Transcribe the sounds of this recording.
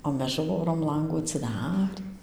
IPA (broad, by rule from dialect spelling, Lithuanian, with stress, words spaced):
oː ˈmʲɛs ˈʒuːroːm ˈlˠɐŋɡuː ɐtʲsʲɪˈdɑːrʲiː